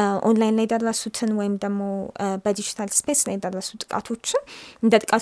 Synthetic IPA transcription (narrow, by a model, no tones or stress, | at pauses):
ʔo̰nlajnlajɛd̪ərːəsut̪ʰɨnwɔjɪmd̪əɡmo̞wbəd̪id͡ʒit̪ʰalspʰe̞slajɛd̪ərːəsut̪ʼɨ̥kʼa̰t̪ʰo̞t͡ʃːɪɨnd̪ət̪ʼɨkʼat̪